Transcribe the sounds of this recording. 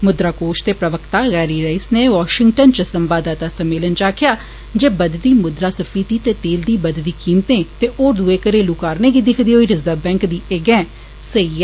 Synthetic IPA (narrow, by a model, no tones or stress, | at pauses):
mʊd̪ɾaːkoːʃt̪eːpɾəʋəkʰt̪aːɣɛːɾiːɾəɪsneːʋɔːʃɪŋɡʈənt͡ʃəsəmbaːd̪aːt̪aːsəmːeːlənt͡ʃaːkʰɪjaː | d͡ʒeːbəd̪d̪iːmʊd̪ɾaːsəpʰiːt̪iːt̪eːt̪eːld̪iːbəd̪d̪iːkiːmt̪ẽːt̪eːʔoːɾd̪ueːkəɾeːluːkaːɾneːɡiːd̪ɪkʰd̪iːɦoːiːɾɪzəbɛ̃ːŋkd̪iːɪɡɛ̃ː | səiːaː